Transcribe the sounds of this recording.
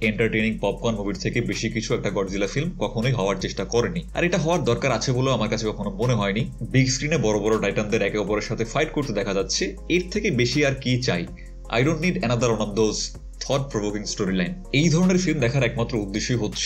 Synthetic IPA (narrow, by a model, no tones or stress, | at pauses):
eɳʈaɾʈejniŋpɔb̚kɔnmubiɾt̪ʰekebeʃikit͡ɕʰuɛk̚ʈaɡɔɖd͡ʑilafilmkɔkʰonojɦɔoaɾt͡ɕeʃʈakɔɾenia̰ɾeʈaɦɔoaɾd̪ɔɾkaɾat͡ɕʰeboleoamaɾkat͡ɕʰekɔkʰonomoneɦɔenibiɡskɾinebɔɾobɔɾoɖajʈand̪eɾɛkeɔpoɾeɾʃat̪ʰefajʈ̚koɾt̪ed̪ɛkʰad͡ʑatːɕʰe | eɾt̪ʰekebeʃiaɾkit͡ɕa̰j | a̰jɖonʈniɖɛñad̪aɾonand̪oz | t̪ʰɔʈ̚pɾobokiŋsʈoɾilajn | ejd̪ʱɔɾoneɾfilmd̪ɛkʰaɾɛkmat̪ːɾoud̪ːeʃːoiɦotːɕʰe̥